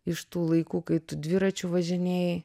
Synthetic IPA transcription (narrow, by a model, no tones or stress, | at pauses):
ɪʃt̪uːlˠɐɪkuːkɐɪt̪ʊd̪ʲʋʲɪɾɐt͡ʃʲʊʋɐʒʲɪnʲɛj